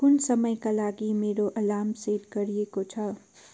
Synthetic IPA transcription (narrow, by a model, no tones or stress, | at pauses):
kʊnsəməjkalaːɡimeːɾoʔɐlaːmseːɾkəɾiekot͡ʃʰʌ